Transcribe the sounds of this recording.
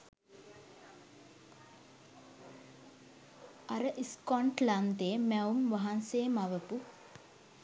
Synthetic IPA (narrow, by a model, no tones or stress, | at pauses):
aɾəʔiskɔɳʈland̪eːmæumʋaɦanseːmaʋəpu